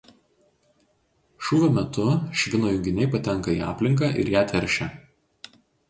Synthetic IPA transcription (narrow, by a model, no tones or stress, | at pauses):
ʃuːʋʲoːmʲɛt̪ʊʃʲʋʲɪnoːjʊŋʲɡʲɪnʲɛɪpɐt̪ʲɛŋˑkɐiːɑ̰ːpʲlʲɪŋk̬ɑːˑʔɪ̰ɾjæːt̪ʲʋʲɛɾʲʃʲɛ